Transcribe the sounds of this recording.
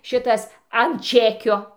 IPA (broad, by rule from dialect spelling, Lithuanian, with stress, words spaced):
ˈʃʲɪtɐs ɐn ˈt͡ʃʲæːkʲoː